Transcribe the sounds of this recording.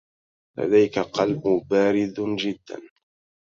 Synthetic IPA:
la̰d̪ajkaqɑlbʊbaːɾɪd̪d͡ʒɪd̪ːa̰n

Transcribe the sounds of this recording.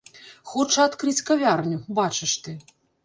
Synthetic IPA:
xɔt͡ʂɐat̪kɾɨt͡sʲkavʲarnʲubat͡ʂɨʂt̪ɨ

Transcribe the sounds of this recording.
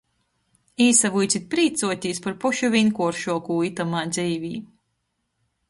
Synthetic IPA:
iːsavujt̪sit̪̚pɾiːt̪suɔt̪ʲiːspaɾpɔʃuvʲinkuɔɾʃuɔkuːit̪amaːd̪zʲɛjvʲiː

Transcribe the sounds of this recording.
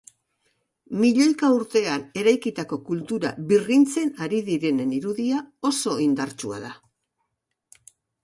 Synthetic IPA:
miʎo̞jkauɾt̪e̞ane̞ɾajkit̪ako̞kult̪uɾa̰βirint͡se̞naɾiðiɾe̞ne̞niɾuðiao̞so̞ind̪aɾt͡ʃua̰ða

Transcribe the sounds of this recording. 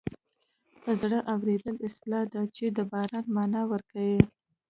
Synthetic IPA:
pəzɽəʔawɾed̪əlɪslɑd̪at͡ʃed̪əbɑɾɑnmɑnɑwəɾkawi

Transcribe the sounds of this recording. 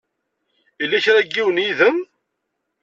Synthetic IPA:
ilːæçɾæɡːiwənjiðəm

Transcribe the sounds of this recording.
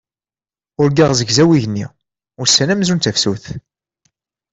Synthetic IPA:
ʊɾɡiʁzəɡzæwiʝnːi | ʊɾsːænæmzunt̪æfsuθ

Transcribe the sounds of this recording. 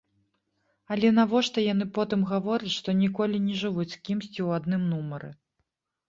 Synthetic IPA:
alʲɛnavɔʂt̪ɐjan̪ɨpɔt̪ɨmɣavɔɾɐt͡sʲʂt̪ɔnʲikɔlʲinʲɛʐɨvut͡sʲskʲimsʲt͡sʲiwad̪nɨmnumɐɾɨ̰

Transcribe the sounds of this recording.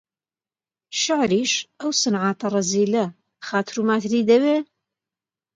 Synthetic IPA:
ʃɪʕɾiːʃʔɐwsɨnʕaːt̪ʰɐrˤɐziːlɐ | xaːt̪ʰɾuːmaːt̪ʰɾiːd̪ɐweː

